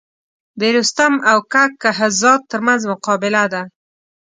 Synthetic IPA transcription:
d̪eɾust̪amawkakːaɦazɑt̪̚ːəɾmanzmʊqɑbɪlad̪a

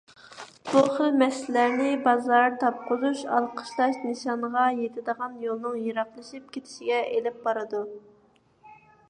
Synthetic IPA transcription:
b̥uχəlmɛslæɾnɪbɑzɑɾt̪ʰɑp̚qʰʊzuʃɑ̰lˠqʰə̥ʃlˠɑʃnɨʃɑnʁɑjet̪ʰɪd̪əʁɑnjolˠnɨŋjɨɾɑχlˠɨʃip̚kʲʰet̪ʰɪ̥ʃɪɡʲɛelɪp̚bɑɾɨd̪u

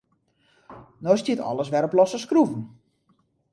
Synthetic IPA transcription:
nɔstitɔ̰lˠəsʋɛɾɔplɔsəskruvən̩

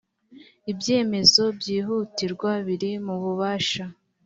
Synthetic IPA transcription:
ibje̞ːme̞zo̞bɟiːɦuːtiɾɡwaβiɾimuβuβaːʃa

